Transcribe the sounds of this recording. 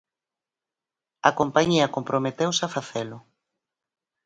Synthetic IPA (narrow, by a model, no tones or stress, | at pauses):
ɐ̰kompaɲiɐkompɾʔomet̪ewsafaθelʊ